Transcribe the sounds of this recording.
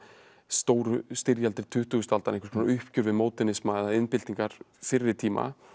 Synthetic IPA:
st̪oːwɾʏst̪ɪɾjalt̪ɪɾ̥t̪ʰʏht̪ʏɣʏst̪alt̪anẽhkvɾkʰɔnaʔʏhpcʏɾvɪðmoːwt̪ɛnɪsmaðaɪnpɪlt̪iŋkaɾ̥ | fɪɾːɪɾ̥t̪ʰiːma̰

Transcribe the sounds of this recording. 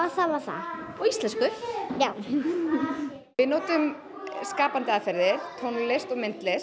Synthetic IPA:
aθavaθa̰ɔist̪lɛnskʏjaːw | vɪðnoːt̪ʏm | skaːpant̪ɪaðfɛɾðɪɾ̥t̪ʰownlest̪ɔmɪn̥t̪lɛs

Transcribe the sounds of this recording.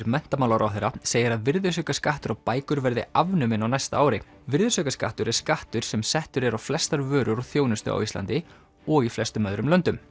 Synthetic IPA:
ɾmɛn̥t̪amawlawɾʔa̰wθejɾaseːjɪɾaðvɪɾðʏ̥sœːkaskaht̪ʏɾawpaːjkʏɾvɛɾðɪ̰avnʏmɪnːawnɛjst̪aaːwɾɪ | vɪɾðʏsœːkaska̰ht̪ʏɾɛɾ̥skaht̪ʏɾ̥sɛmsɛht̪ʏɾɛɾawflɛst̪aɾvœːɾʏɾawθjownʏst̪ʏ̰a̰wist̪la̰nt̪ɪ | ɔɣiflɛst̪ʏmœðɾʏmlœnt̪ʏm

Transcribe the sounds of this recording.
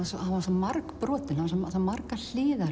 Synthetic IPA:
asɔhaasɔmaɾkpɾɔːt̪ɪnhavas̬ɔsɔmaɾkal̥ɪːða

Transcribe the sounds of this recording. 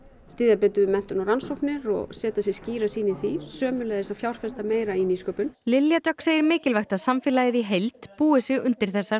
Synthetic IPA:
st̪iːðapɛːt̪ʏɪmɛn̥t̪ʏnɔɾansowpnɪɾɔ̰ɣsɛːt̪asjɛsciːɾasiːnɪθisœːmʏlɛjðɛsafjawɾ̥fɛst̪ameːjɾainiːskœːpʏnlɪljat̪œkseːjɪɾmɪːcɪlvajxt̪asamfɪːlajɪðiɦejlt̪puːɪsɪɣʏ̰nt̪ɪɾ̥θɛsːa

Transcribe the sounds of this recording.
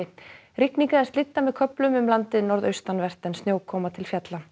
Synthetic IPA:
ɪ | ɾɪkniŋkaðɛ̥st̪ɪt̪ːamɛðkʰœplʏmʏmlant̪ɪnɔɾðœɥst̪anvɛr̥t̪ɛnst̪joːwkʰɔːmat̪ʰɪlfjat̪la

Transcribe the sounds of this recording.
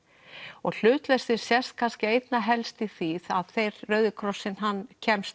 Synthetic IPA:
ɔɣl̥ʏːt̪lɛst̪ɪɾ̥sjɛst̪̚kʰanscɪejt̪naɦɛlst̪iθiθaðθejɾrœɥðʏkʰɾɔsːɪnɦanːcʰɛmst̪

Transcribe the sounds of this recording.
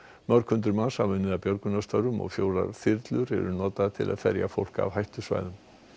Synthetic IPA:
mœɾkʰʏnt̪ʏɾmansavʏnːɪðapjœɾkʏnast̪œɾʏmɔ̰ɣfjoːwɾa̰ɾ̥θɪɾt̪lʏɾɛ̰ɾʏnɔːt̪aðat̪ʰɪlʔa̰ðfɛɾjafo̰wl̥ka̰ːvhajht̪ʏsva̰ːjðʏm

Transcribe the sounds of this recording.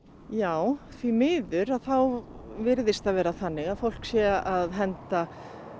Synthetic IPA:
jaːwθvimɪːðʏɾaðθawvɪɾðɪst̪aðvɛːɾaθanːɪɣaðfowl̥ksjɛʔaðɦɛnt̪a

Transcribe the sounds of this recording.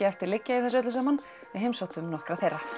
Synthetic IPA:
ɪɛft̪ɪɾlɪcːaiθɛs̬ʏœt̪lʏsamanː | ɛɦemsat̪ʏmnɔhkɾaθejrːa

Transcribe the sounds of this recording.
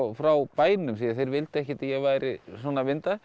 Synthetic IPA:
fɾawpaːjnʏmsiːaθejɾvɪlt̪ɛhcɪat̪ajɛɣvaːjɾɪsɔːnavɪnt̪a

